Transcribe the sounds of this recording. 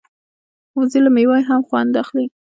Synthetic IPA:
ʊzilamewajɦamxwa̰nd̪axli

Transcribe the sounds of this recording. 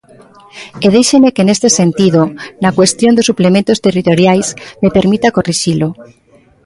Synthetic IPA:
eð̞ejʃemekene̞st̪ese̞nt̪iðonakwe̞st̪jo̞nd̪osuplemẽnt̪ost̪e̞rit̪o̞ɾjajsmepe̞ɾmit̪ako̞riʃilo

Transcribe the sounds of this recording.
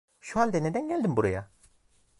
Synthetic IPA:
ʃuand̪ɛned̪ænɟælʲd̪imbuɾaja

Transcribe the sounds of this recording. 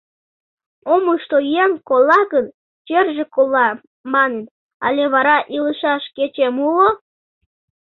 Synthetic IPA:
omuʃt̪ojeŋkolˠːɑɣən | t͡ɕerʒekolˠːɑ | mɑnen | ɑ̰lʲeβɑɾɑʔiləʃɑʃket͡ɕemulo

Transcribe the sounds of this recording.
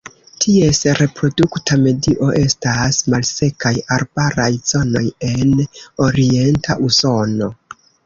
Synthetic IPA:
tʰie̞sɾe̞pɾo̞duktame̞diʔo̞ʔe̞stasmalse̞kajaɾbaɾajz̥o̞no̞je̞no̞ɾie̞ntaʔuso̞no̞

